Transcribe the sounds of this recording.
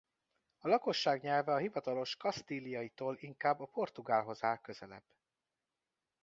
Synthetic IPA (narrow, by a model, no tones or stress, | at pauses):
ɒlɒko̞ʃːaːɡɲɛlvɛɒɦivɒt̪ɒlo̞ʃkɒst̪iːlijɒjit̪oːliŋkaːbːɒpo̞rt̪uɡaːlɦo̞zaːkø̞zɛlɛ̰b̥ː